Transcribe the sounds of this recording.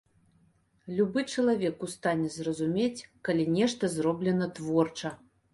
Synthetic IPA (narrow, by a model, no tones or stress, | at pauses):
lʲubɨt͡ʂɐlˠavʲɛkust̪anʲɛzrɐzumʲet͡sʲkalʲinʲɛʂt̪ɐzrɔblʲɛnɐt̪vɔrt͡ʂɐ